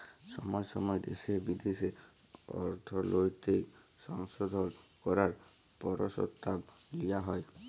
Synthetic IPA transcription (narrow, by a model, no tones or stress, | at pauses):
sɔmɔjsɔmɔjed̪ḛsiebid̪ese | ɔ̰ɾt̪ʰɔlojt̪ik | sɔŋsɔd̪ʱɔnkɔɾaɾ | pɔɾɔsɔ̰t̪ːablijaɦɔj